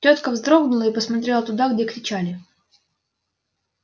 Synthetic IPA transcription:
t͡ɕʲo̞t̪kəvzd̪ɾo̞ɡnʊlˠəipəsmɐt̪ɾʲelˠət̪ʊd̪aɡdʲekɾʲɪt͡ɕalʲɪ

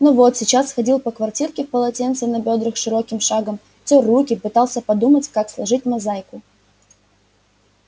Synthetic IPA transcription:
novo̞t̪sʲɪt͡ɕasːxɐdʲilˠpəkvɐrtʲirkʲɪfpəlˠɐtʲent̪sənɐbʲod̪ɾɨxʂɨɾo̞kʲɪmʂaɡəm | tʲorukʲɪpɨt̪alˠsʲəpɐd̪umətʲkakslˠɐʐɨt̚ʲmɐzajkʊ

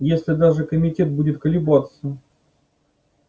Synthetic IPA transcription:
jesʲlʲɪd̪aʐɨkəmʲɪtʲet̪̚budʲɪt̪kəlʲɪbat̪sə

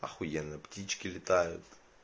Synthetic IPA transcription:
ɐ̰xʊjɛnɨptʲit͡ɕkʲɪlʲɪt̪ajʊ̰t̪

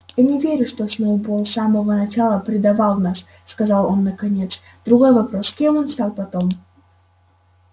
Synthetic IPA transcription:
janʲɪvʲeɾʲʊʂt̪osnoʊbolˠsaməvənɐt͡ɕalˠəpɾʲɪd̪ɐvalˠnas | skɐzɑlˠo̞nːəkɐnʲe̞t̪s | d̪̥ɾʊɡo̞jvɐpɾo̞skʲe̞monst̪ɑlˠpɐt̪o̞m

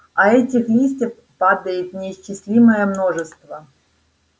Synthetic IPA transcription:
ɐɛtʲɪxlʲisʲtʲɪf | pad̪əjɪt̪nʲɪɕt͡ɕːɪsʲlʲiməjəmno̞ʐɨst̪və

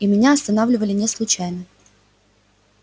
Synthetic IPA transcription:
imʲɪnʲaɐst̪ɐnavlʲɪvəlʲɪnʲɛslˠʊt͡ɕæjnə

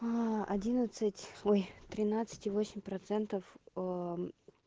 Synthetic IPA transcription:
ɐdʲinət̪sɨtʲojt̪ɾʲɪnat̪sɨ̥tʲɪvosʲɪmʲpɾɐt̪sɛnt̪əfə

